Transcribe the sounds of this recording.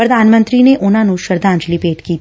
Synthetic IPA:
pɾɐd̪aːnmə̃nt̪ɾineʔʊnãnũʃəɾd̪ãːɲd͡ʒlipeːʈkiːt̪

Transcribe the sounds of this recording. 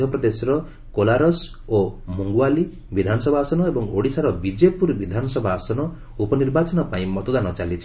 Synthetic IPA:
ɔpɾɔd̪esɔɾɔ | kolaɾɔs | omuŋɡuwali | bid̪ʱanɔsɔbʱaːsɔnɔebɔŋoɽisaɾɔbid͡ʒepuɾbid̪ʱanɔsɔbʱaːsɔnɔ | upɔniɾbat͡ʃɔnɔpaĩmɔt̪ɔd̪anɔt͡ʃalit͡ʃʰi̥

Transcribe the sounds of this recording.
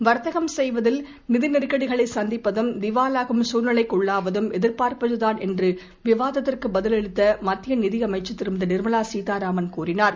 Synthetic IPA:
ʋɐɾt̪ɐɣɐmsɛjʋɐðɪl | nɪðɪnɪɾkːɐɽɪɣɐɭɐɪsɐnd̪ɪpːɐðɯmd̪ɪʋaːlaːɣɯmsuːnɐlɐɪkːɔɭːaːʋɐðɯmɛðɪɾpaːɾpɐðɯðaːnɛndrɯ | ʋɪʋaːðɐt̪ːɪrkɯbɐðɪlɛɻɯt̪ːɐmɐt̪ːɪjɐnɪðɪɐmɐɪt͡ʃːɯt̪ːɪɾɯmɪd̪ɐnɪɾmɐlaːsiːt̪aːɾaːmɐnkuːrɪnaːɾ

